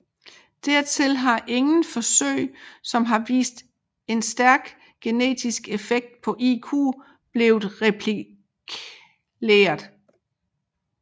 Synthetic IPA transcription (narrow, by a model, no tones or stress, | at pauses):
d̥æɐ̰t͡sʰe̝lɦɑ̈ʔe̝ŋn̩fɒ̽sø̰ɪ̰sɒ̽mɦɑ̈ʋḭːsd̥ | e̝nsd̥æɐɡ̥ | ɡ̥e̝ne̝̰ːd̥isɡ̥e̝feɡ̥̚d̥̚pʰɒ̽ʔikʰṵː | b̥le̝ːʊð̩ˠʁɛpʰli | kʰ | lḛːɐðˠ